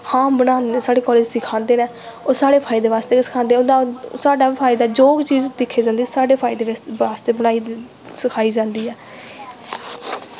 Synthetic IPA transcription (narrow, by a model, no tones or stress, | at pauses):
hãːbəɽaːnd̪saːɽeːkɔːleːd͡ʒsɪkʰãːnd̪eːnɛː | oːsaːɽeːpʰaːɪd̪eːʋaːst̪eːsə̥kʰãːnd̪eːʊnd̪asaːɖaːpʰaːɪd̪aːd͡ʒoːɡt͡ʃiːzd̪ɪkʰːeːd͡ʒãːnd̪iːsaːɖeːpʰaːɪd̪eːʋaːst̪eːbənaːiː | səkʰaːiːd͡ʒãːnd̪iːɛː